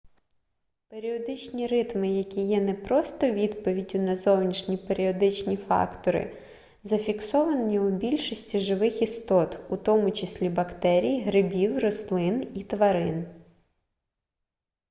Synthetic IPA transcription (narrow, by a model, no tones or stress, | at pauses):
peɾʲiɔd̪ɪt͡ʃnʲiɾɪt̪mɪjɐkʲijɛnɛpɾɔst̪ɔʋʲid̪pɔʋʲidʲʊnɐzɔwnʲiʃnʲipeɾʲiɔd̪ɪt͡ʃnʲifɑ̰kt̪ɔɾɪ̰ | zɐfʲiksɔʋɐnʲiʊbʲilʲʃɔsʲtʲiʒɪʋɪxist̪ɔt̪ut̪ɔmʊt͡ʃesʲlʲibɐkt̪ɛɾʲijɦɾɪbʲiwrɔslˠɪnit̪ʋɐɾɪn